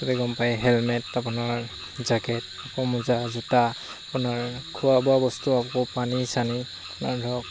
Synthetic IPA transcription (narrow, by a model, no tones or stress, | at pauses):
tɔbɛɡɔmpajɦɛlmɛtapʊnaɹ | zaɡɛt | apɔmuzazuta | apʊnaɹkʰuwabɔabɔstuapkɔpanisaniapʊnaɹdʱɔk̚